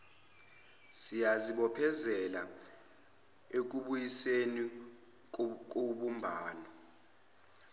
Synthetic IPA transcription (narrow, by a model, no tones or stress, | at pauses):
sijaziɓɔpʰɛzɛla | ek̬uɓujiseni | k̬ʼoɓumbʱaːnɔ